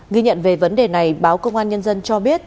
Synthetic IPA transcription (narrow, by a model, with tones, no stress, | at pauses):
ɣi˧ɲə̰˧˨nve˨˩və˨˦nɗe˨˩na˨˩jɓaː˨˦wkə˧wŋ͡mʔaː˧nɲə˧nzə˧nt͡ɕɔ˧ɓi˦˥ət̚